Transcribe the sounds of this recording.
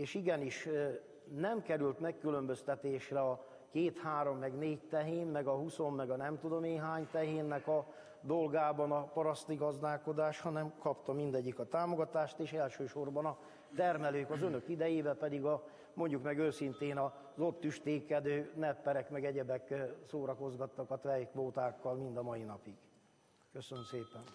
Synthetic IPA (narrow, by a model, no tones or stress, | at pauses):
eːʃiɡɛniʃ | nɛmkɛɾylt̪mɛkːylø̞mbø̞st̪ɛt̪eːʃrɛɒ | keːt̪haːɾo̞mːɛɡneːct̪ɛɦeːnmɛɡɒɦuso̞mːɛɡɒnɛmt̪ud̪o̞meːɦaːɲt̪ɛɦeːnːɛkɒ | d̪o̞lɡaːbɒnɒpɒɾɒst̪iɡɒzd̪aːlko̞d̪aːʃhɒnɛmkɒpt̪ɒmind̪ɛɟːikɒt̪aːmo̞ɡɒt̪aːʃt̪eːʃɛlʃøːʃo̞rbɒnɒ | t̪ɛrmɛløːkɒzønø̞kid̪ɛjeːbɛpɛd̪iɡɒ | mo̞ɲɟukmɛɡøːsint̪eːnɒ | zo̞t̪ːyʃt̪eːkːɛd̪øːnɛpːɛɾɛkmɛɡɛɟɛbɛksoːɾɒko̞zɡɒt̪ːɒkɒt̪ʋɛjkʋoːt̪aːkːɒlmind̪ɒmɒjinɒpiɡ̥ | køsønømseːpɛn